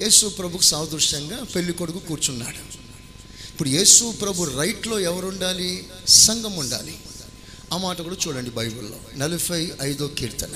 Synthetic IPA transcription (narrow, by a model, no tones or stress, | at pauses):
jeːsuɐpɾɐbʱukusaːʋɐd̪ɾuʂɐŋɡaːpeɭːikoɽukukuːɾt͡ʃunːa̰ːɽu | ipːuɽuje̞ːsupɾɐbʱuɾɐjʈlo̞ːɛʋɐɾuɳɖaːli | sɐŋɡɐmuɳɖa̰ːli | amaːʈɐkuːɽaːt͡ʃuːɽɐɳɖibɐjbulːo̰ːnɐlupʰɐjɐjd̪oːkiːɾt̪ɐl